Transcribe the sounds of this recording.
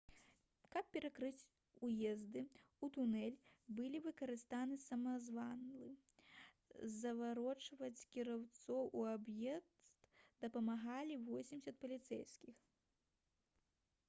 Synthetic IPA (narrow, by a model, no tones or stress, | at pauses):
kɐp̚pʲɛɾakɾɨt͡sʲ | ujɛzd̪ɨ | ut̪unɛlʲbɨlʲivɨkɐɾɨst̪anɨsɐmɐzvanlˠɨ | zɐvaɾɔt͡ʂvɐt͡sʲkʲiɾawt̪sɔwʔuabjɛtst̪d̪̥ɐpɐmaɣalʲivɔsʲimʲsʲɐt̪̚pɐlʲit̪sɛ̰jskʲix